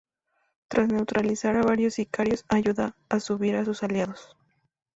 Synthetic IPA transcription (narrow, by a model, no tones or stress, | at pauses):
t̪ɾʔasne̞wt̪ɾalisaɾaβaɾjosikaɾjosajuðaːsuβiɾasʊsaljaðos